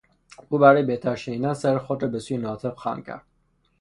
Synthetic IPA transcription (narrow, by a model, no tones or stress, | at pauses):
uːbæɾɒːjebet̪ʰæɾʃed̪ænsæɾexod̪ɾɒːbesuːjenɒːt̪ʰebxɑ̰ːmcʰæ̰ɾd̪̥̚